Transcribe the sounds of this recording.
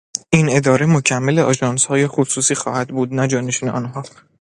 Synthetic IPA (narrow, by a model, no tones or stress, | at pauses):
ʔine̞d̪ɒːɾemocʰæmːeleʔɒːʒɒːnshɒːjexosuːsiːxɒ̰ːhæd̪buːd̪næd͡ʒɒːne̞ʃineʔɒ̰ːnɦɒː